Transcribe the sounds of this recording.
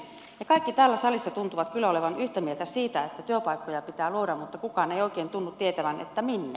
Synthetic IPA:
jɑkɑikːit̪æːlːæsɑlisːɑt̪unt̪uʋɑt̪kylːæoleʋɑnyht̪æmielt̪æsiːt̪æet̪ːæt̪yøpɑikːojɑpit̪æːluoɾɑmut̪ːɑkukɑːneioˑikeːnt̪unːut̪t̪iet̪æʋænʔḛt̪ːæminːe

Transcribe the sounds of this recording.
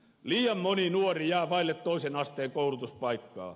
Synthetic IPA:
liːjɑmmoninuorijæːʋɑilːet̪t̪oisenɑst̪eːkoulut̪uspɑikːɑ̰ː

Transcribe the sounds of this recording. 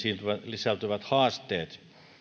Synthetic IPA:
siːnt̪yʋælisælt̪yʋæt̪hɑːst̪eːt̪

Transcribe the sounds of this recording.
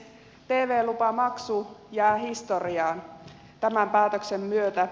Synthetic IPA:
t̪e̞ːʋeːlupɑmɑksujæːhist̪oriɑːn | t̪æmæmpæːt̪øksemːyøt̪æ

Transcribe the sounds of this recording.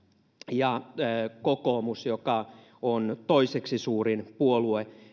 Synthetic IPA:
jɑːkokomusjokɑ | ont̪oiseksisuːrinpuolue

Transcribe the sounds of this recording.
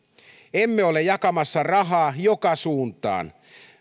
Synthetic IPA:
emːeolejɑkɑmɑsːɑrɑɦɑːjokɑsuːnt̪ˑɑ̰ːn

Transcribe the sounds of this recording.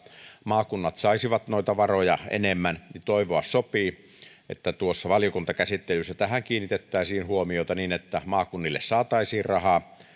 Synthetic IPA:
mɑːkunːɑt̪sɑˑisiʋɑt̪noˑit̪ɑʋɑrojɑʔḛnemːænnit̪oˑiʋoɑssopiː | ʔḛt̪ːæt̪uosːɑʋɑljokunt̪ɑkæsit̪ːelysːæt̪æhæŋkiːnːit̪et̪ːæˑːsiːnhuomijoˑet̪ɑniːnet̪ːæmɑːkunːilːessɑːt̪ɑisiːrrɑhɑː

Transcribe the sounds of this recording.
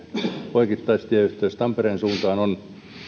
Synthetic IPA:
poikit̪ːɑist̪iæyht̪øːst̪ɑmpereːnsuːnt̪ɑːnon

